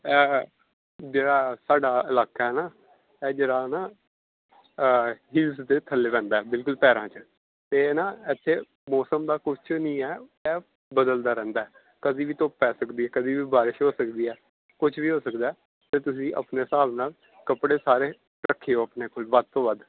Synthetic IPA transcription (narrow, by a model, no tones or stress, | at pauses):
ɛː | d͡ʒeːɽaːsaːɖaːɪlaːkaːɦɛːnaː | ɛːd͡ʒeːɽaːnaː | ɦɪlsd̪eːt̪ʰəlːeːpɛ̃ːnd̪aːɛːbɪlkʊlpɛːɾãːt͡ʃə | t̪eːnaːɪt̪ʰːeː | mɔːsəmd̪aːkʊt͡ʃʰnĩːɛːɛː | bəd̪əld̪aːɾɛ̃ːnd̪aːɛː | kəd̪iːʋiːt̪oːpɛːsəkd̪iːɛːkəd̪iːʋiːbaːɾɪʃɦoːsəkd̪iːɛː | kʊt͡ʃʰʋiːɦoːsəkd̪aːɛː | t̪eːt̪ʊs̬ĩːʔə̰pneːsaːbnaːl | kəpɽeːsaːɾeː | ɾəkʰːeːoːəpneːkoːlbəd̪̚t̪õːbad̪